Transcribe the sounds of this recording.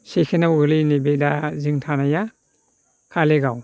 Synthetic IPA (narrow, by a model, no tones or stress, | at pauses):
sekʰenawɡɯlinibedaziŋtʰanaja | kʰaleɡaw